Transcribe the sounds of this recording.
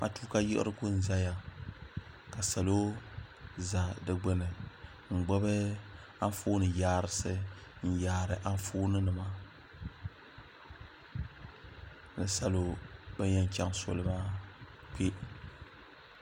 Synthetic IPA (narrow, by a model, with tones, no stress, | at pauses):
ma̰˦tu̥ː˦ka˦jɛ̰˦ɨ̰˦ɾɨ˦ɡʊ˦n̩˨za˦ja˨ | ka˨sa˨lo˦ | za˨dɨ˦ɡ͡bɛ˦nɨ˨ | ŋ͡m̩˨ɡ͡bɔ˦bɨ˦ | a˦n˦foː˦nɨ˨jaː˦˨ɾɨ˨sɨ˦n̩˦jaː˨˦˨ɾɨ˨ʔa˦ɱ˦foː˦nɨ˦nɨ˨ma˦˨ | nɨ˨sa˨lo˨ba˦ɲɛ˦n˨ka˦ŋso̰˦lɨ˦ma˦ | k͡pe˦